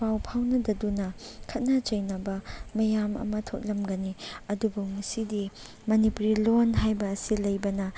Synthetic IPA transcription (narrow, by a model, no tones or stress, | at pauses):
pawpʰawnɐdɐdunɐkʰɐt̚nɐt͡ʃɐjnɐbɐmɐjamɐ̰mɐtʰot̚lɐmɡɐniɐdubuŋɐsidi | mɐnipuɾilonɦajbɐːsilɐjbɐnɐ